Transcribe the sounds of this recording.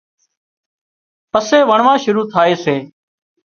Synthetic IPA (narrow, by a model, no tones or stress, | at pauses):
pəseːʋəɳʋãːʃʊɾuːt̪ʰaːeːseː